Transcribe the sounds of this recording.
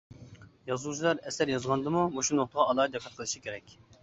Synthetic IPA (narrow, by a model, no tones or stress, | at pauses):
jɑzuwt͡ʃʰilˠɑɾɛsæɾjɑzʁɑnd̪ɨmumoʃunoχt̪əʁɑɑlˠɑːt̪ɛqʰːɑt̪qʰəlˠɨʃikʲʰeɾɛkʲ